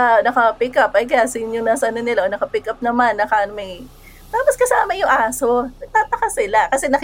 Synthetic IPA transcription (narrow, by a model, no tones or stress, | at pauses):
anɐkɐpɪkɐp̚ʔɐjk̬ɐjasiːnonaːsɐʔɐnonɪlaʔonɐkɐpikɐp̚nɐmanːɐkanmɐj | t̪aːposkɐsaːmɐjʊŋʔaːso̞nɐɡ̚t̪aːt̪ɐkasɪlakɐsɛnɐk